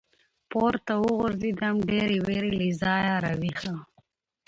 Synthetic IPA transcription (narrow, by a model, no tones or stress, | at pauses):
poɾt̪awʊɣʊɾzid̪amɖeɾiweɾilizɑːjɑɾawixa